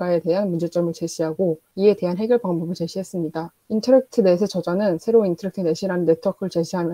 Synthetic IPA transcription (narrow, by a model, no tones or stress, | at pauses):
ae̞te̞ɦanmund͡ʑe̞t͡ɕ͈ʌmɯɭt͡ɕe̞ɕʰiɦaɡo | ie̞te̞ɦanɦe̞ɡjʌɭpaŋbʌbɯɭt͡ɕe̞ɕʰiɦe̞s͈ɯmɲida | intʰʌɾek̚tʰɯne̞sʰet͡ɕʌd͡ʑanɯnsʰe̞ɾointʰʌɾek̚tʰɯne̞ɕʰiɾanɯnːe̞tʰʌkʰɯɭt͡ɕe̞ɕʰiɦamjʌ